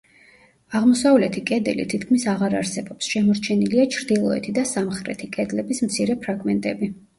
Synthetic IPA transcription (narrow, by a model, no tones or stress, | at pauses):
aʁmɔsavlɛt̪ʰikʼɛd̪ɛlḭt̪ʰit̪̚ʰkʰmisaʁaɾaɾsɛbɔpsʃɛmɔɾt͡ʃʰɛniliat͡ʃʰɾd̪ilˠɔɛt̪ʰid̪asamχɾɛ̰t̪ʰikʼɛd̪lɛbismt̪sʰiɾɛpʰɾaɡmɛnt̪ʼɛbi